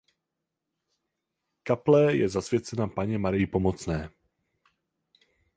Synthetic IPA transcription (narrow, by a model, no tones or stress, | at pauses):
kaplɛjɛzasvjɛt͡sɛnapaɲɛmaɾɪjɪpo̞mot͡snɛː